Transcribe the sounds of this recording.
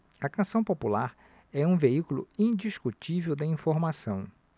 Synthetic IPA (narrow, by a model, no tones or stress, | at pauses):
ɐkɐ̃sɐ̃w̃populaɾ | ɛũveikulʊ̰ĩd͡ʒiskut͡ʃivewd̪ɐĩfoɾmasɐ̃w̃